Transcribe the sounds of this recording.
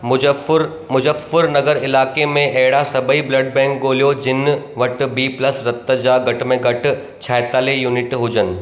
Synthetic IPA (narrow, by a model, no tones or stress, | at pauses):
ɾ | mʊd͡ʑəfɪɾnɐɡəɾɪlaːkemẽʔɐɦɪɽasɐbiblɐɖ̚bɛ̃ːŋkɡoːlijod͡ʑɪnʋɐʈ̆biːplɐsɾɐt̪ːəd͡ʑaːɡɐʈmẽɡɐʈʊ̆ | t͡ɕʰaːɪt̪aːlejuːnɪʈɦʊd͡ʑənɪ̆